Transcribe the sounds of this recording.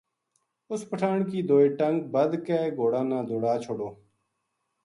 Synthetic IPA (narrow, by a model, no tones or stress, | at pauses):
ʊspəʈʰaːɳkiːd̪oːiːʈəŋɡ̚bəd̪keːɡoːɽaːnãːd̪ʱoːɽaːt͡ʃʰoːɽoː